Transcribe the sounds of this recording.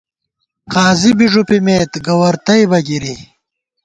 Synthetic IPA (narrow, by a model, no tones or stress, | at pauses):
qaːzibiʐupimeːt̪ɡɐwɐɾt̪ɐjbɐɡiɾi